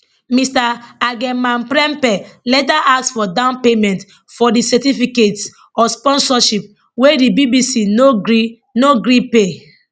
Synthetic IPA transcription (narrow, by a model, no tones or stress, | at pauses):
mistaaɡɛ̃mãnpɾɛ̃mpɛlɛtaʔaksfɔdãʊ̃npemɛ̃nt | fɔdisɛtifikets | ɔspɔ̃nsɔʃip̚ | wedibibisinoɡi | noɡɾipe